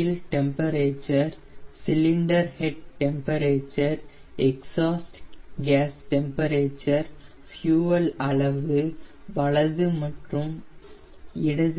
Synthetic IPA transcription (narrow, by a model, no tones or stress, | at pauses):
lʈɛmpɐɾeːt͡ʃːɐɾ | sɪlɪɳɖɐɾhɛʈ̚ʈːɛmpɐɾeːt͡ʃːɐɾ | ɛksaːsʈɡaːsʈɛmpɐɾeːt͡ʃːɐɾ | fjuːɐlɐɭɐʋɯʋɐɭɐðɯmɐʈrɯm | ɪɽɐð